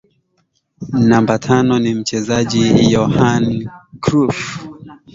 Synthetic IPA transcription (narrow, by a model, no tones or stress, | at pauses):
nambatʰanɔnim̩t͡ʃɛzaʄijɔhankɾuf